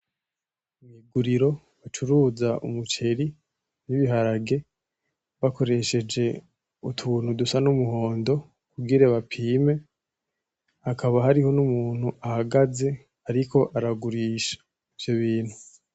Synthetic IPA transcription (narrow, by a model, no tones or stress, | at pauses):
umiɡuɾiɾo̞ | βat͡ʃuɾuːzaṵmut͡ʃe̞ɾi | niβiɦaɾaɡe̞ | βako̞ɾe̞ʃe̞d͡ʒe̞ | utʰuːn̥hudusanumuɦo̞ːndo̞ | kuɡiɾaβapʰiːme̞ | akʰaβaɦaɾiho̞numuːn̥huʔahaɡaze̞ | aɾiko̞ʔaɾaɡuɾiːʃḁ | ivjo̞βiːn̥hu